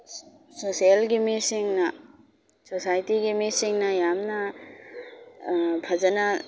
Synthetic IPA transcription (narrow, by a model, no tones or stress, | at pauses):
sosijəlɡemisiŋna | sosajʈiɡemisiŋnajamna | bʱɐd͡ʒəna